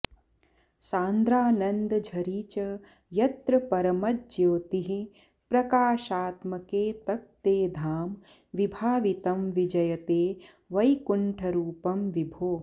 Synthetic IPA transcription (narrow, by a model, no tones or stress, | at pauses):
saːnd̪ɾaːnɐnd̪ɐd͡ʒʱɐɾiːt͡ʃɐ | jɐt̪ɾɐpɐɾɐmɐd͡ʒjoːt̪iɦi | pɾɐkaːʃaːt̪mɐkeːt̪ɐk̚t̪eːd̪ʱaːm | ʋibʱaːʋit̪ɐmʋid͡ʒɐjɐt̪eː | ʋɐjkuɳʈʰɐɾuːpɐmʋibʱoː